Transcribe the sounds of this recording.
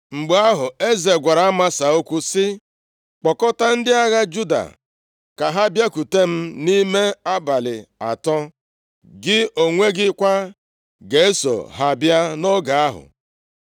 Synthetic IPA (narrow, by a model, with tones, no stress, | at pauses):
ŋ͡m̩˨ɡ͡ba˦ɦʊ˨e˦ze˨ɡʷa˨ɾa˨a˦ma˦sa˨o˦kʷu˦sɪ˦ | k͡pɔ˨kɔ˦ta˦n̩˦dɪ˦a˦ɣa˦d͡ʒu˦da̰˨ | ka˨ɦa˦bja˦ku˨te˦m̩˦ni˦me˦a˦ba˨lɪ̰˨a̰˨tɔ˦ | ɡɪ˦o˨ŋʷe˦ɡɪ˦kʷa˦ | ɡe˨e˦so̰˨ɦa˨bja˦no˦ɡa˨a˦ɦʊ̰˨